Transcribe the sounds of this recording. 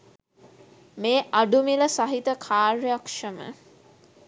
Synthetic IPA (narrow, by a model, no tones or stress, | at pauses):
meːʔaɖumiləsaɦit̪əkʰaːɾjakʂəmə̰